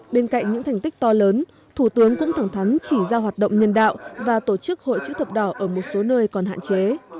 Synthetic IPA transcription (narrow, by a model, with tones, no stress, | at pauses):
ɓe˧nka̰˧˨jŋ̟ɲɨ̰˧˥ŋt̪ʰɛ˨˩ŋ̟t̪i˦˥k̚t̪ɔ˧ləː˨˦n | t̪ʰu˧˩t̪ɨ˨˦əŋkʊ̰˧˥ŋ͡mt̪ʰaː˧˩ŋt̪ʰa˨˦ŋ̟t͡ɕi˧˩zaː˧ɦwaː˨˩t̚ɗə̰˧˨wŋ͡mɲə˧nɗa̰ː˧˨wvaː˨˩t̪o˧˩t͡ɕɨ˦˥k̚ho̰˧˨jt͡ɕɨ̰˧˥t̪ʰə˨˩p̚ɗɔ˧˩ʔəː˧˩mo˨˩t̚so˨˦nəː˧jkɔ˨˩nɦa̰ː˧˨nt͡ɕe˨˦